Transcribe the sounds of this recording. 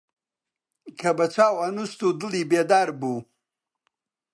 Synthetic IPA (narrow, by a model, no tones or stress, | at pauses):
kʰɐbɐt͡ʃaːwanust̪ud̪əlibed̪aːɾbu